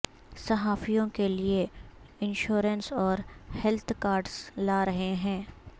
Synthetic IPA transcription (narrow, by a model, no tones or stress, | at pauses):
sɐɦaːfijõkelie | ɪ̃nʃoːɾənsɔːɾhɛlt̪ʰkaːɾɖz̥laːɾɐɦeɦɛ̃ː